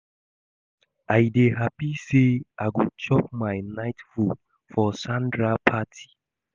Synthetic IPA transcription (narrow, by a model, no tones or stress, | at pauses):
ajdeɦapiseʔaɡut͡ʃɔp̚maɪnaɪtfu | fɔsãndɹapʰatʰi̥